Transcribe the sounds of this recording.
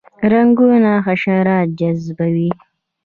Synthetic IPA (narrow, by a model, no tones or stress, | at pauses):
ɾaŋɡunaxaʃaɾɑt̪̚d͡ʒazbawi